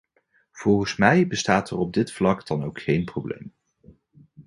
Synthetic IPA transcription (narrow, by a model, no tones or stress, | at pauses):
v̥ɔlˠχənsmɛjbəstaːtərɔb̚dɪtflɑkdɑnowkχejnprowblḛjm